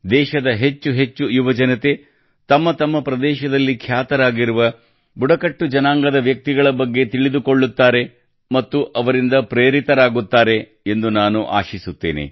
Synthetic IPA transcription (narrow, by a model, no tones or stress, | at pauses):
d̪ɛːʃɐd̪ɐɦe̞t͡ʃːuɦe̞t͡ʃːujubɐd͡ʒɐnɐt̪e̞ | t̪ɐmːɐt̪ɐmːɐpɾɐd̪ɛːʃɐd̪ɐlːikʰjaːt̪ɐɾaːɡiɾuʋɐ | buɽɐkɐʈːud͡ʒɐnaːŋɡɐd̪ɐʋjɐk̚t̪iɡɐɭɐbɐɡːe̞t̪iɭid̪uko̞ɭːut̪ːaːɾe̞ | mɐt̪ːuʔɐʋɐɾind̪ɐpɾeːɾit̪ɐɾaːɡut̪ːaːɾe̞ | end̪unaːnuʔa̰ːʃisut̪ːḛːnḛ